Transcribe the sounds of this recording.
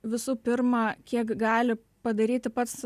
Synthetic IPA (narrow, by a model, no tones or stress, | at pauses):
ʋʲɪsuːpʲɪɾmɑkʲiɛkɡɑːlʲɪ | pɐd̪ɐɾʲiːt̪ʲɪpɐt̪s